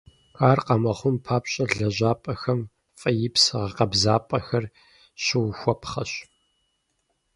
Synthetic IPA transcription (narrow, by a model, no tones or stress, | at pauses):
xaːrqɐmɐχʷʊmpʰaːpɕʼɐɮɐʑaːpʼɐxɐm | fʼɐjɪpsɨʁɐqɐbzaːpʼɐxɐr | ɕɪwxʷɔpʰχɐɕ